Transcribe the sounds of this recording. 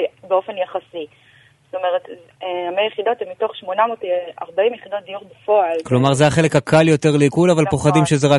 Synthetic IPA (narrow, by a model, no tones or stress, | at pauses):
beofe̞njaχasi | sto̞meʁet | amejeχid̪o̞temːito̞χʃmo̞namota̰ʁbaimjeχid̪o̞t̚d̪ijuʁbafoalklo̞maʁzejaχe̞le̞khakʰaljo̞te̞ʁleikulavalpo̞χad̪imʃezeʁa